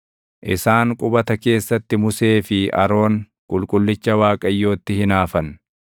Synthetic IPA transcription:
ʔɪsaːŋkʼʊbɐt̪ɐke̞ːsːɐt̪ːɪmʊse̞ːfɪʔɐ̰ɾo̞ːŋ | kʼʊlkʼʊlːɪt͡ʃːɐwaːkʼɐjːo̞ːt̪ːɪhɪnaːfɐn

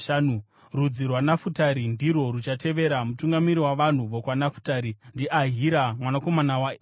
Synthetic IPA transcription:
aːnu | rud͡zirwanafutaɾindiɾo̞rut͡ʃate̞ʋe̞ɾamutuŋɡamiɾiwaʋan̤uʋokwanafu̥taːɾindiʔaɦiɾamwanako̞manawa

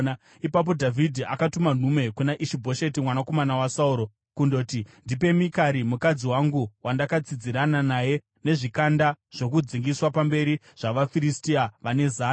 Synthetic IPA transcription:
ipap̬o̞dʱavʱidʱia̰katuman̤ume̞kunaʔiʃibʱo̞ʃe̞timwanako̞manawasauɾo̞ | kundo̞tindipe̞mikaɾimukad͡ziwaŋɡuwandakat͡sid͡ziɾananaje̞ | ne̞ʐikandaʐ̥o̞k̬ud͡ziŋɡiswapambe̞ɾi | ʐ̥aʋafiɾistiaʋane̞zaː

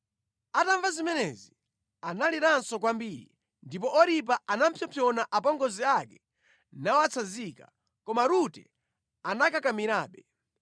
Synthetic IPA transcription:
ataɱvazimɛnɛzi | analiɾansɔk̬wambiːɾḭ | ndip̬ɔʔɔɾip̬aanam̩pʰjɔpʰjɔnaʔapɔŋɡɔziakɛ | nawat͡sʰazika | kɔmaɾutɛ̰ | anakakamiɾaːɓɛ

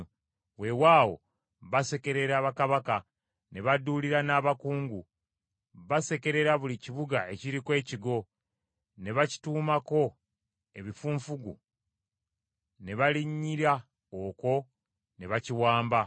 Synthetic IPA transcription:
we̞waːwo̞̰ | βase̞ke̞ɾe̞ɾaːβakaβaka | ne̞βaduliɾanaːβakuːŋɡu | βase̞ke̞ɾe̞ɾaβuliciβuɡae̞ciɾikwe̞ːciɡo̞ | ne̞βaci̥tuːmako̞ | e̞βifuːɱfuɡṵ | ne̞βaliɲːiɾa | oko̞ | ne̞βaciwaːmba

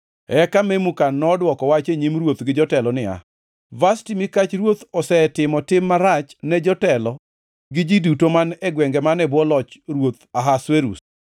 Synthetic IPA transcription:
ɛkamemukanːɔdwɔkɔwat͡ʃeɲimɾwot̪ɡɪd͡ʒɔtɛlɔnɪa̰ | vastimikat͡ʃɾwot̪ɔsɛtɪmɔtɪmːaɾat͡ʃnɛd͡ʒɔtɛlɔ | ɡɪd͡ʒidutomanɛɡwɛŋɡɛmanɛbwɔlɔt͡ʃɾwot̪aɦasweɾṵs

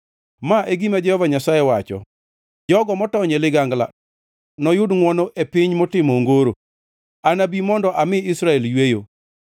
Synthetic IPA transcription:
maʔeɡimad͡ʒɛhɔvaɲasajewat͡ʃɔ̰ | d͡ʒɔɡɔmɔtɔɲelɪɡaŋɡla̰ | nɔjʊdŋwɔnoʔepɪɲmotɪmoŋɡoɾo | anabimɔndɔʔamɪɪsɾaɛljwejo

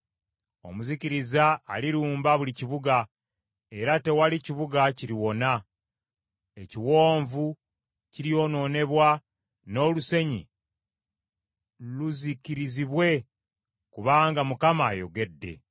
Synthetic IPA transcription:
o̞̰muziciɾizaːliɾuːmbaβuliciβuɡa | e̞ɾate̞waliciβuɡaciɾiwo̞na | e̞ciwo̞ːɱvu | ciɾijo̞no̞ne̞βwa | no̞ːluse̞ɲi | luzikiɾiziβwe̞ | kuβaːŋɡamukamaːjo̞̰ɡe̞dːe̞̰

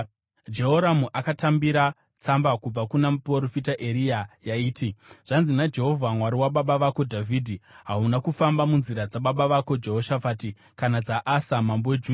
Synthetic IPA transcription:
d͡ʒe̞ɦoɾamuʔakatambiɾa | t͡sambakub͡vakunaproɾofitaʔeɾijajaiːtʰiʐ̥anzinad͡ʒe̞ɦo̞vʱamwaɾiwaɓaɓaʋakodʱavʱiːdʱiɦaunakufambamunziɾad͡zaɓaɓaʋako̞d͡ʒe̞ɦo̞ʃafaːti | kanad͡zaʔasamambowed͡ʒuː

